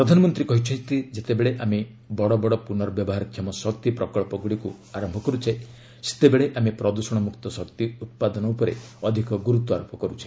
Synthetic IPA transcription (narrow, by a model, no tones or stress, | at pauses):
ppɾɔd̪ʱanɔmɔnt̪ɾikɔɦit͡ʃʰɔnt̪id͡ʒet̪ebeɭeʔame | bɔɽɔbɔɽɔpunɔɾɔbjɔbɔɦaɾkʰjamɔsɔkt̪ipɾɔkɔɭpɔɡuɽiku | aɾɔmbʱɔkɔɾut͡ʃʰae | se̥t̪ebeɭeʔamepɾɔd̪usɔɽ̃ɔmukt̪ɔsɔkt̪iut̪̚pad̪ɔnɔupɔɾḛɔd̪ʱikɔɡuɾut̪uaɾupɔkɔɾut͡ʃʰi̥